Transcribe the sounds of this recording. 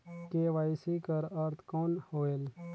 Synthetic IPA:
keʋaːisikəɾɐɾt̪ʰkoːnhoːel

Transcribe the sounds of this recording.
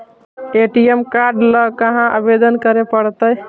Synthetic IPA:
eʈijemkaɾɖləɡkəɦãʔə̰bed̪ənkəɾepəɽt̪əj

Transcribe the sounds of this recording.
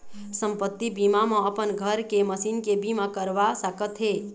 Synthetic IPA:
səmpət̪ːibimamãəpənɡʱəɾkeməsinkebimakəɾʋasəkət̪ɦe

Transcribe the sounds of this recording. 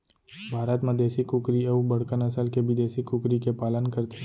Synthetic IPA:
bʱaːɾət̪mãd̪eːsikʊkɾiəbɐɽ̤kənɐsəlkebid̪eːsikʊkɾikepaːlənkɐɾt̪e

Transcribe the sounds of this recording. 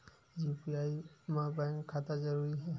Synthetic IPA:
zipiajmabaŋkkʰːatazaɹuɹiɦɛ

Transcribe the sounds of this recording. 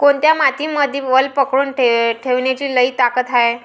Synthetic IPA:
koɳt̪jamat̪iːməd̪ʱiʋəlpəkɽuːnʈeʈʰeʋɳjat͡ɕiːləiːt̪akət̪ae

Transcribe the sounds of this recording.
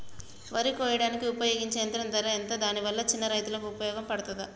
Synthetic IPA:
ʋɐɾikɔːjɐɽaːnikiupɐjoːɡiɲt͡ʃeːnt̪ɾɐnt̪ɐɾɐent̪ɐd̪aːniʋɐlːɐt͡ʃinːɐɾɐjt̪ulɐkuːpɐjɔːɡɐmpɐɽɐt̪ud̪ɐ

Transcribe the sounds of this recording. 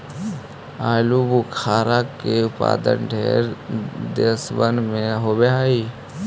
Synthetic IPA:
aːlubukʰaːɾakkeʊpa̰ːd̪ə̰nɖʱḛːɾd̪esʋənmẽɦobeaːiː

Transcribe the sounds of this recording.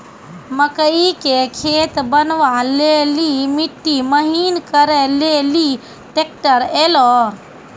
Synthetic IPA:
məkəikekʰet̪bənʋalelimiʈːiməɦinkəɾɛleli | ʈek̚ʈəɾelɔ

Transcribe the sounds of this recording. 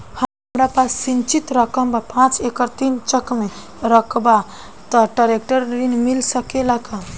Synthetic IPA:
həmɦəmɾapasːint͡ʃit̪ɾəkəmbapãt͡ʃekəɾt̪int͡ʃəkme | ɾəkʰba | t̪əʈaɾek̚ʈəɾɾinmilsəkelaka

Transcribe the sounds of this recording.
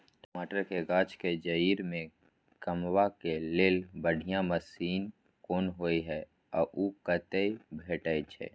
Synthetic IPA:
ʈomaːʈəɾkeɡaːt͡ʃked͡ʒəiːɾmẽ | kəmwakeleːlbəɽʱijãməsiːn | koːnɦoːiɦɛ | ɔ̰ːʔukət̪eibʱeːʈət͡ʃʰɛ̰ː

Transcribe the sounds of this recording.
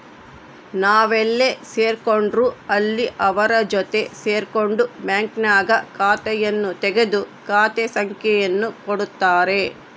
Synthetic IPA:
naːʋelːeseːɾkoɳɖɾuːɐlːiʔɐʋɐɾɐd͡ʒɔt̪e̞seːɾkoɳɖubjaːŋknaːɡɐkaːt̪ɛjɐnːut̪ɛɡed̪ukaːt̪esɐŋkjɛjɐnːukoɽut̪ːaːɾe̞

